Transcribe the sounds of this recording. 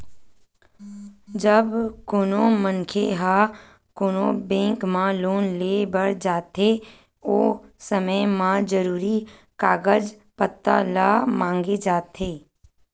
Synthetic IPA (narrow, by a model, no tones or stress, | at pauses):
d͡ʒəbkoːnomənkʰeɦa | koːnobɛ̃ːŋkmãloːnleːbəɽd͡ʒaːt̪e | oːsəməjmãd͡ʒəɾuːɾi | kaːɡəd͡ʒ | pət̪ːa̰lamãːŋɡed͡ʒaːt̪ʰeː